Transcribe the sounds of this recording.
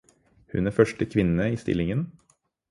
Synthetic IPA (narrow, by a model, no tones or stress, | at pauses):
hʉnæːɾfœʂʈəkʰʋɪnəiːst̪ɪ̰lɪŋən